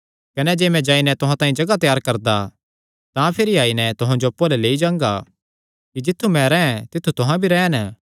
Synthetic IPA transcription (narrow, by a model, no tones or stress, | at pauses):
kɐnɛd͡ʒeːmɛ̃d͡ʒaːinɛt̪ʊɦãt̪aːĩd͡ʒɐɡat̪jaːɾkɐɾd̪a | t̪ãpʰɪɾiaːinɛt̪ʊɦãd͡ʒopːoːlɛleːid͡ʒãːŋɡa̰ | kid͡ʒɪt̪ʰːumɛ̃ɾɛɛ̃t̪ɪt̪ʰːut̪ʊɦãbʱiɾɛːnə